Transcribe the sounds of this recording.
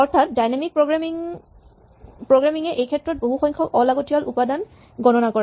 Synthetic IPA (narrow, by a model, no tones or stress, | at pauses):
ɔɹtʰatdajnamik̚pɹoɡɹamiŋ | pɹoɡɹamiŋɛʔejkʰɛtːɹɔt̚boɦuxɔjŋkʰɔʔɔlaɡotiɔlʔupadan | ɡɔnɔnakɔɹɛ